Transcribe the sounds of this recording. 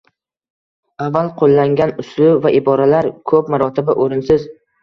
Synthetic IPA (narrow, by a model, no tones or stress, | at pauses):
avːalˠqʰolːaŋɡʲanʊslʊvaʔɪbɒɾalaɾkʰɵpmaɾɒt̪ʰɪbaʔoɾɪnsɪz